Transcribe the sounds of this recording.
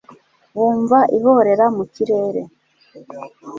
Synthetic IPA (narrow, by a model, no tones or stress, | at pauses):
βuːɱvaʔiho̞ɾe̞ɾamuciɾe̞ːɾe̞̰